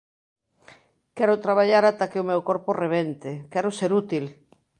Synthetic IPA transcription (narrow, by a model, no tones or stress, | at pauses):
kɛɾʊt̪ɾaβ̞aʎaɾat̪akɪʊmewkɔɾpʊreβent̪ɪkɛɾʊseɾut̪il